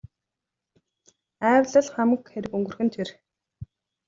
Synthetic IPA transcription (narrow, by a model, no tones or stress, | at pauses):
æːwɮə̆ɮχæmkxeɾɘ̆kɵŋɡɵ̆rxɘ̆nt̪ʰer